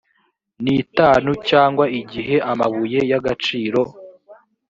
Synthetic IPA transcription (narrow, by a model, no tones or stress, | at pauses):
nitaːnucaːŋɡwaiɟiɦe̞ʔamaβuje̞jaɡat͡ʃiːɾo̞